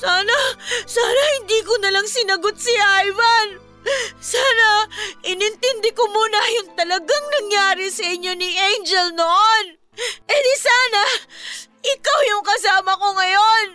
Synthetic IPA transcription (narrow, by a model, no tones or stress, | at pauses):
saːnɐsaːnɐhɪnd̪iːkonɐlaŋsɪnɐɡot̪̚sɪajvɐn | saːnɐʔɪnɪnt̪ɛnd̪ɛkomuːnɐjʊŋt̪ɐlɐɡaŋnɐŋjaːɾɪsɐʔɪɲːo̞nɪʔejnd͡ʒɛlnoʔon | ʔɛd̪ɪsaːnɐ | ʔɪkawjʊŋkɐs̬aːmɐko̞ŋɐjo̞n